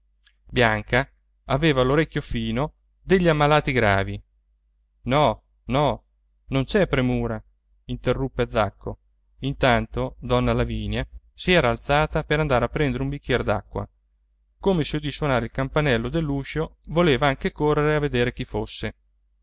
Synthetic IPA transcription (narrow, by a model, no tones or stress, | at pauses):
bjaŋka | aveːvaloɾɛkʲːjofiːno | d̪eʎːiamːalaːt̪iɡɾa̰ːvi | nɔ | nɔ | nont͡ʃɛpːɾemuːɾa | int̪erːupːed̪zakːo | int̪ant̪od̪ɔnːalaviːnja | siɛːɾaːlt̪saːt̪apeɾand̪aːɾeapːɾɛnd̪eɾeumbikːjɛɾd̪a̰kːwa̰ | komesod̪iswonaːɾeilkampanɛlːod̪elːuːʃovoleːvaaŋkekorːeɾeavːed̪eːɾek̟ifosːe